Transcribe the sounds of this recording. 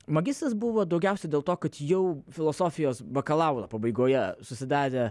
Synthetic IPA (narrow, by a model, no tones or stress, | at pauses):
mɐɡʲɪst̪ɐsbʊʋoːd̪ɐʊɡʲɛˑʊsʲɛd̪ʲeːlˠt̪oːkɐt̪jɛʊfʲɪlˠɔsoːfʲɪjoːsbɐkɐlˠɑʊlˠɐ̰pɐbɐɪɡoːjɛsʊsʲɪd̪ɑːɾʲeː